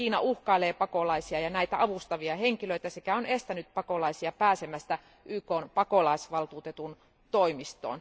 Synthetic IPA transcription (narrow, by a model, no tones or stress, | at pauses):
iːnɑuhkɑileːpɑkolɑisiɑjɑnæit̪æʔɑʋust̪ɑʋiɑheŋkiløit̪æsekæonest̪ænyt̪̚pɑkolɑisiɑpæːsemæst̪æ | ʔyːkoːnpɑkolɑisʋɑlt̪uːt̪et̪un | t̪oimist̪o̰ːn